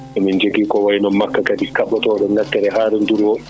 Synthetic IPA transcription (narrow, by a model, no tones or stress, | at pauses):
ɛmind͡ʒeɡiːkɔwajnɔnmːakːakadikaɓːatɔːɗɛŋɡatːɛɾɛɦaːɾɛnduɾwɔ